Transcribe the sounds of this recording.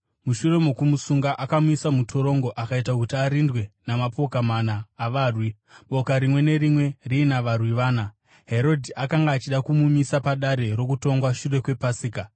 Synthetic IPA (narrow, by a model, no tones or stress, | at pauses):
muʃure̞mo̞kumusuŋɡaʔakamuisamutʰo̞ɾo̞ŋɡo̞ʔakaitakutiaɾindwe̞namapo̞kamanaːʋaːrwi | ɓo̞kaɾimwe̞ne̞ɾimwe̞riːnaʋarwiʋaːna | ɦe̞ɾo̞dʱiʔakaŋɡaːt͡ʃiɗakumumisapaɗaɾe̞ɾo̞kuto̞ŋɡwaʃure̞kwe̞pasiːka